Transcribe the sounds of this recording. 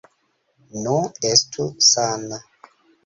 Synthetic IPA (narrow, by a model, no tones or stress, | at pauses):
nɔestʰusana